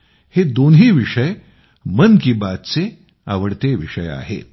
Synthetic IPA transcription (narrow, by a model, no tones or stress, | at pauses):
hed̪onɦiːʋiʂəj | mənkibat̪t͡se | a̰ʋəɽt̪eʋiʂəja̰ɦḛ